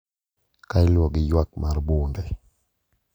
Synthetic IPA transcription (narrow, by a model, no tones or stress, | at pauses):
kajlɔɡɪjwak̚maɾbundɛ